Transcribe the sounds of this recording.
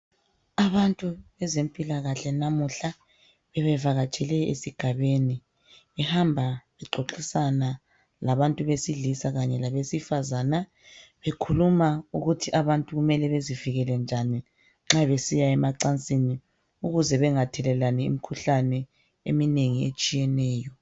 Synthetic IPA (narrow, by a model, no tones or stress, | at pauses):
aβantʼuβɛzempʼilaɣaɬɛnamuɬa | βɛβɛvaɣat͡ʃʼɛlɛḛsiɡ̥ʱaβeni | ɛhambʱaβɛǃoǁisana | laβantʼuβesiɮisaɣaɲɛlaβesifazaːna | βekʰulumauɣutʰiʔaβantʼuɣumɛlɛβeziviɣɛlɛnd͡ʒʱani | ŋ͡ǁaβesijaɛmaǀant͡sʼini | uɣuzɛβɛŋatʰɛlɛlanɛḭmikʰuɬanɛ | ḛmineŋiet͡ʃʼijɛnɛːjɔ